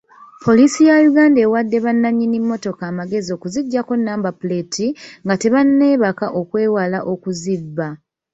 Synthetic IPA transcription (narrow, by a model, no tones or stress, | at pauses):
pʰo̞lisijajuɡaːnde̞ːwadːe̞βanːaɲːinimːo̞to̞kaːmaɡe̞zio̞kuziɟːako̞nːaːmbapuletʰiŋɡate̞βanːe̞ːβakaʔo̞kwe̞ːwalaʔo̞kuzibːa